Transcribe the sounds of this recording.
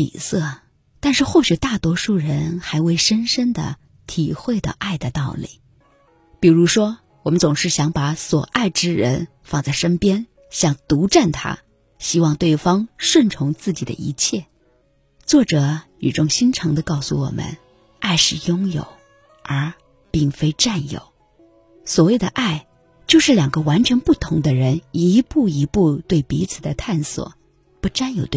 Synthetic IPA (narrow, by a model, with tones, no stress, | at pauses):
ḭ˨˩sɤ˥˩ | t̪a˥˧nʂɻ̩˥˧xo˥˩ʊɕɥɛ˨˩˦t̪a˥˩t̪wɔ˥ʂu˥˩ɻə˧˥nxa˧˥ɪwe˥˩ɪʂə˥nʂə˥nd̪ə̰˨ | t̪ʰi˨˩xwe˥˩ɪd̪ə̰˩ʔa˥˩ɪd̪ə˩t̪ɑ˥˩ʊlḭ˨˩˦ | pi˨˩ɻu˧˥ʂwɔ˥ | wɔ˨˩mə˦nt͡sʊ˨˩ŋʂɻ̩˥˩ɕjɑ˧˥ŋpa˧˥swɔ˨˩ʔa˥˩ɪʈ͡ʂɻ̩˥ɻə̰˧˥n | fɑ˥˧ŋt͡sa˥˩ɪʂə˥npjɛ˥n | ɕjɑ˥˧ŋt̪u˧˥ʈ͡ʂa˥˩nt̪ʰa̰˥ | ɕi˥wɑ˥˧ŋt̪we˥˩ɪfɑ˥ŋʂwə˥˩nʈ͡ʂʰʊ˧˥ŋt͡sɹ̩˥˩t͡ɕi˨˩d̪ə̰˦ḭ˧˥t͡ɕʰjɛ˥˩ | t͡swɔ˥˩ʈ͡ʂɤ˨˩˦ny˨˩ʈ͡ʂʊ˥˧ŋɕi˥nʈ͡ʂʰɤ˧˥ŋd̪ə˧kɑ˥˩ʊsṵ˩wɔ̰˨˩mʔə̰˦n | a˥˧ɪʂɻ̩˥˩jʊ˥ŋjo̰˨˩˦ʊ | ə˞˧˥ | pi˥˩ŋfe˥ɪʈ͡ʂa˥˩njo̰˨˩˦ʊ | swɔ˧˥we˨˩d̪ə̰˦˩ʔa˥˩ɪ | t͡ɕjo˥˧ʊʂɻ̩˥˩ljɑ˨˩ŋɡə˧˦wa˧˥nt͡ɕʰɥɛ˧˥npu˥˩t̪ʰʊ˧˥ŋd̪ə˧ɻə˧˥ni˧˥pu˥˩i˧˥pu˥˧t̪we˥˩ɪpi˧˥t͡sʰɹ̩˨˩d̪ə˦t̪ʰa˥˩nswɔ̰˨˩˦ | pu˥˩ʈ͡ʂa˥njo˨˩ʊt̪w